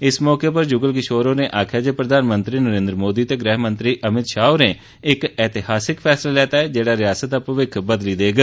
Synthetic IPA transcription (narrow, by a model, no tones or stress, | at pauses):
ɪsmɔːkeːpəɾd͡ʒʊɡəlkɪʃoːɾõːneːʔaːkʰjaːd͡ʒeːpɾəd̪ʱaːnmə̃nt̪ɾiːnəɾẽːnd̪ɾəmoːd̪iːt̪eːɡɾɛːɦmə̃nt̪ɾiːʔəmɪt̪ʃaːoneː | ɪkɛːt̪ɪhaːsɪkpʰɛːslaːlɛːt̪aːɛːd͡ʒeːɽaːɾɪjaːsət̪̚ːaːpəʋɪkʰbəd̪liːd̪eːɡ